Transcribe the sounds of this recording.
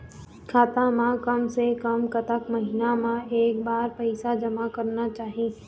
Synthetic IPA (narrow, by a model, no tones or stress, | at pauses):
kʰaːt̪amãkɐmsekɐmkɐt̪əkmɐɦinamãeːkbaːɾpɐɪsad͡ʒɐmakɐɾnat͡ʃaːɦi